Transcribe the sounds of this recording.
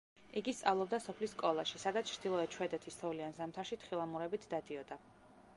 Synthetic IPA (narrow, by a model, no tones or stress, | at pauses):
iɡist̪sʼavlˠɔb̚d̪asɔpʰlisːkʼɔlˠaʃisad̪at̪st͡ʃʰɾd̪̥ilˠɔɛt͡ʃʰwɛd̪ɛt̪ʰist̪ʰɔvliansamt̪ʰaɾʃit̪ʰχilˠamuɾɛbit̪ʰd̪ad̪iɔd̪a